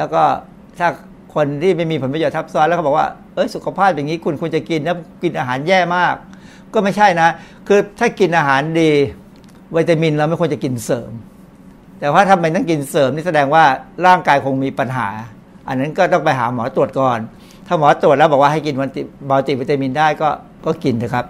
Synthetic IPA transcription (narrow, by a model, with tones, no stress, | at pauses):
lɛː˦˥wkɔː˥˩ | t̪ʰaː˥˩ | kʰo˧nt̪ʰiː˥˩ma˥˩jmi˧pʰo˩˦npa˧joː˨˩t̪ʰːa˦˥p̚sɔː˦˥tlːkbɔː˨˩kwaː˥˩ | ʔɤ˦˥jsu˨˩kʰa˧pʰaː˥˩p̚ja˨˩ŋiː˦˥kʰu˧nkʰu˧nt͡ɕa˨˩ki˧nlːki˧nʔaː˧ɦaː˩˦njɛː˥˩maː˥˩kː | ɔː˥˩ma˥˩jt͡ɕʰa˥˩jna˦˥ | kʰɯː˧t̪ʰaː˥˩ki˧nʔaː˧ɦaː˩˦ndiː˧ | wiː˧t̪a˧mi˧nla˧wma˥˩jkʰɲt͡ɕa˨˩ki˧nsɤː˩˦m | t̪ɛː˨˩t̪ʰaː˥˩t̪ʰa˧mːa˧jt̪a˥˩ŋki˧nsɤː˩˦mniː˥˩sa˧dɛː˧ŋwaː˥˩ɾaː˥˩ŋkaː˧jkʰo˧ŋmiː˧pa˧nɦa̰ː˩˦ | ʔa˧nːa˦˥nkɔː˥˩t̪ɔ˥˩ŋpa˧jɦaː˩˦mɔː˩˦˥t̪u˨˩ət̪̚kɔː˨˩n | t̪ʰaː˥˩mɔː˨˦t̪ɾu˨˩t̪̚lɛ˦˥bɔ˨˩wa˥˩ha˥˩jki˧nwa˧t̪i˨˩baː˧t̪i˨˩wiː˧t̪a˧mi˧ndaː˥˩jkɔː˥˩ | kɔː˥˩ki˧ndɯ˧˦˩kʰa˦˥p̚